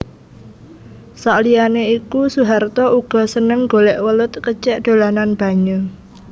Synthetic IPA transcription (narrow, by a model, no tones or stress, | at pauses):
saʔlianeikusuɦart̪ɔʔuɡ̥ɔ̤sənəŋɡo̤lɛʔwəlʊt̪̚kət͡ʃɛʔd̪̥o̤lananb̥ä̤ɲu